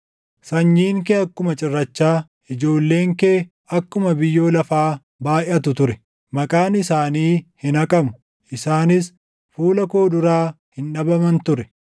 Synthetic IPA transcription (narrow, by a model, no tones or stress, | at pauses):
sɐɲːiːŋk̬eːɐkːʊmɐt͡ʃʼɪrːɐt͡ʃːaː | ʔɪd͡ʒo̞ːlːe̞ːŋkeː | ɐkːʊmɐbɪjːo̞ːlɐfaː | baːjʔɐt̪̬ʊt̪ʊɾɛ | mɐkʼaːnɪsaːniːhɪnɐkʼɐmʊ̥ | ʔɪsaːnɪs | fuːlɐko̞ːd̪ʊɾaː | hɪnᶑɐbɐmɐnt̪ʊɾɛ